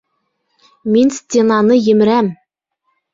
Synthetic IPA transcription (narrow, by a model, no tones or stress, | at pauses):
minsʲt̪ʲenɑnɤjɘ̆mɘ̆ɾæm